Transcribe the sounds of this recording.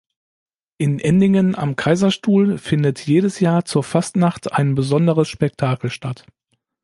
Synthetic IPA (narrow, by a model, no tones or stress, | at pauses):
ʔɪnʔɛndɪŋəna̰mkʰaɪzɐʃtuːlfɪndətʰjeːɾəsjaːɐt͡suːɐfastnaχtʰaɪnbəzɔndəʁəsʃpɛk̚tʰaːkl̩ʃtʰat